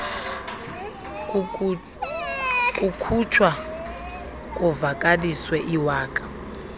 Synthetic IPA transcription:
kʼukʰut͡ʃʰwa | kʼɔvakʼaliswɛʔiwaːkʼḁ

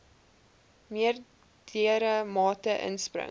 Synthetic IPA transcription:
miər | d̥iəɾəmɑːtəʔə̰nsprə̰

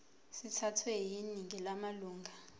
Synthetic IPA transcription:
sitʰatʰwɛɦjiniŋɡʱɛlamaluːŋɡʱa

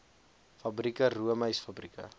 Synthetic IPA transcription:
fɐbrikəɾuəməjsfɐbrikə̰

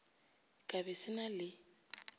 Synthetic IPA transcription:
kʼabɛsɪnalɪ

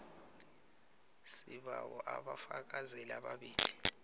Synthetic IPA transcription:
siɓawɔʔaɓafak̬azɛlaɓaɓiːli

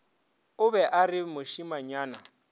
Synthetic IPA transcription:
ʊbɛʔarɪmʊʃimaɲaːna

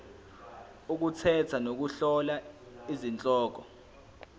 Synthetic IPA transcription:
uk̬ut͡sʰɛtʰanok̬uɬɔla | izint͡ɬʼɔːk̬ɔ

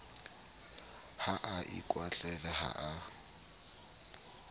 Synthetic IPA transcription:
haʔaʔɪ̰kʼwat͡ɬʼɛlaha̰ʔa

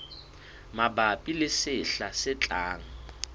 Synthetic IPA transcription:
mabapʼilɪsɪɬasɪt͡ɬʼaːŋa

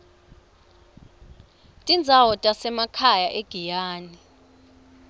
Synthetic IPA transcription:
tʼind͡zʱawɔtʼasɛmakʰajaʔeɡ̥ʱijaːni

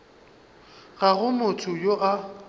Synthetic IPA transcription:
ɣaɣʊmʊtʰʊjoʔa

